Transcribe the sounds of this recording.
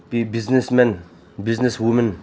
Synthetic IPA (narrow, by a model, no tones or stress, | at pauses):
biznesmɛn | bizneswumən